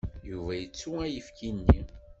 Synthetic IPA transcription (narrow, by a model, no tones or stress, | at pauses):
juvæjət͡sːuæjəfkʰinːi